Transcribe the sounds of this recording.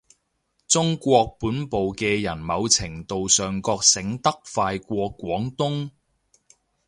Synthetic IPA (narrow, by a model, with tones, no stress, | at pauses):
t͡sʊ˥ŋkʷɔː˧k̚puː˨˥npo˨wkɛː˧jɐ˨˩nmɐ˨˧wt͡sʰɪ˨˩ŋt̪o˨wsœː˨ŋkɔː˧k̚sɪ˨˥ŋt̪ɐ˥k̚faː˧jkʷɔː˧kʷːwɔː˨˥ŋt̪ʊ˥ŋ